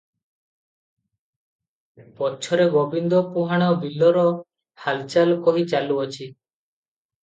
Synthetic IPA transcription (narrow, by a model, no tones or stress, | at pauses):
pɔt͡ʃʰɔɾeɡɔbind̪ɔpuɦaɽ̃ɔbilːɔɾɔ | halt͡ʃalkɔɦit͡ʃaluɔt͡ʃʰi